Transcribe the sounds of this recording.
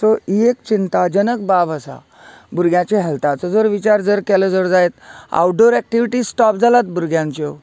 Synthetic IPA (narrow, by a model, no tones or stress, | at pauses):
sɔiekt͡ɕint̪ad͡ʑənəkbabəsa̰ | buɾɡʱjãt͡ɕeɦɛlt̪at͡sɔd͡zəɾʋit͡ɕaɾd͡zəɾkɛləd͡zəɾd͡zaet̪a̰wɖoɾɛk̚ʈiʋiʈisʈɔp̚d͡zalat̪̚buɾɡjãɲt͡ɕɔ